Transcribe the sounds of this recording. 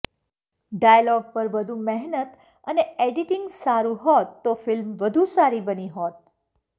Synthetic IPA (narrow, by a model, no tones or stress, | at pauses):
ɖajəlɔɡ̚pəɾʋəd̪ʱumɛɦnət̪ | əneeɖiʈɪŋɡsaɾũɦɔt̪ːofɪlmʋəd̪ʱusaɾibəniɦɔt̪̚